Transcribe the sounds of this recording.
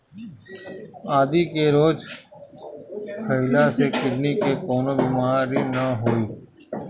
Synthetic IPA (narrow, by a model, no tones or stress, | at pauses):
aːd̪iːkeɾoːd͡ʒ | kʰəɪlasekɪɾnikekɔːnoːbiːmaːɾinaɦoːiː